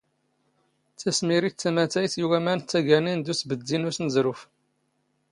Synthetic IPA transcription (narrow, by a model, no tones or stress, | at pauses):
t͡sːæsmiɾit͡sːæmæt̪æjθjuwæmænt͡s̪ːæʝænind̪usbəd̪ːinusnəzɾʊf